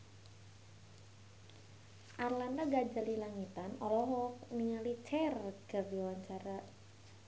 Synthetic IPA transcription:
ʔarland̪aɡad͡ʒalilaŋit̪anɔlɔɦɔk̚niŋalit͡ʃɛrkərdiwaɲt͡ʃaɾa

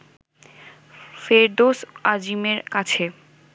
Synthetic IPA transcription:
feɾɖ̪osad͡ʑimeɾkat͡ɕʰe

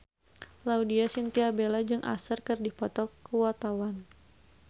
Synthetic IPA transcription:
laudiasint̪iabelad͡ʒɨŋʔa̰sərkɨrdipɔt̪ɔkuwat̪awan

